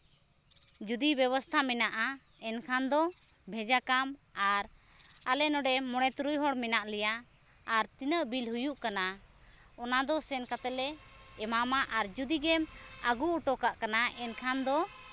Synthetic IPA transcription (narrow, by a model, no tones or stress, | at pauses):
d͡ʒud̪ibɛβɔst̪ʰamɛnaʔa | ɛnkʰand̪ɔ | bʱɛd͡ʒakam | aɾ | alɛnɔɖɛmɔɽ̃ɛt̪ɾujɦɔɽmɛnaʔlɛjaː | ɾt̪inəʔbilhujuʔkana | ɔnad̪ɔsɛnkat̪ɛlɛ | ɛmamaʔaɾd͡ʒud̪iɡɛm | aɡuːʈɔkaʔkanaʔɛnkʰand̪ɔ